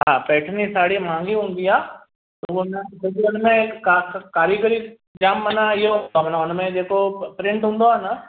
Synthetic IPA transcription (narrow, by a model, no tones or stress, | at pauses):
ɦãːpɛːʈʰnisaːɽimãːŋɡiɦʊ̃nd̪iaː | loɡomẽsoɡʊnmẽkakkaːɾikəɾi | d͡ʒaːmːənajoamnaʊnmẽd͡ʒeːkopɾɪ̃ɳʈɦʊ̃nd̪oaːna